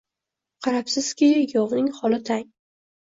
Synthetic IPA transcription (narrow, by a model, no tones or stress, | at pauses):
qʰɑɾapsɪz̥kʲʰɪjɒvnɪŋχɒlɪt̪ʰaŋ